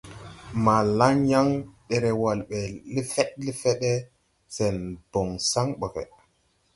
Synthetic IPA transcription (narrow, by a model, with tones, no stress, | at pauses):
ma˨la˦ŋja˦ŋɗɛ˨ɾɛ˨wa˨lɓɛ˨li˦fɛ˦tli˦fɛ˦ɗɛ˦ | sɛ˨nb̥ɔ˨ŋsa˦ŋɓɔ˨fɛ̰˨